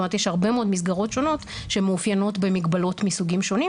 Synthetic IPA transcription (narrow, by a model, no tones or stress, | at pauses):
mt̪jeʃhaʁbe̞meod̪mis̬ɡaʁo̞tʃo̞no̞t | ʃemeufjano̞tbe̞miɡbalo̞tmisuɡimʃo̞ni